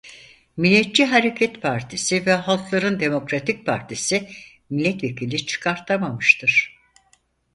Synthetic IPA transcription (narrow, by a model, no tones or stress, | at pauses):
milʲːɛt̪̚t͡ʃiɦaɾe̞cʰɛt̪pʰaɾt̪ʰisivɛɦalˠklˠaɾɯnd̪e̞mo̞kɾat̪ʰic̚pʰaɾt̪ʰisi | milʲːɛt̪vecʰilʲit͡ʃʰɯ̥kʰaɾt̪ʰamamɯʃt̪ʰɯɾ̥